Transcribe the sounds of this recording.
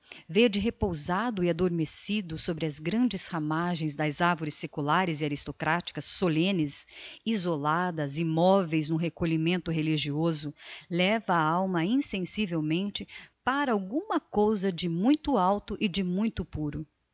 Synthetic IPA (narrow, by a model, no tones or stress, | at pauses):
veɾd͡ʒɪɦepowzad̪ʊɪad̪oɾmesid̪ʊsobɾɪɐzɡɾɐ̃nd͡ʒɪshamaʒẽj̃zd̪ɐzaɾvoɾɪsekulaɾɪzɪaɾist̪okɾat͡ʃi̥kɐsːolẽnɪsizolad̪ɐzimɔvejznʊɦekoʎimẽnt̪ʊɦeliʒiozʊlɛvɐːawmɐĩsẽsivewmẽnt͡ʃɪpaɾɐawɡũmɐkowzɐd͡ʒɪmũj̃t̪ʊawt̪ʊʔɪd͡ʒɪmũj̃t̪ʊpuɾʊ